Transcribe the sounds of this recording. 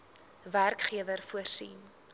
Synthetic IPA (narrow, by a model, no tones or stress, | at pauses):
værkχiəvərfuərsḭn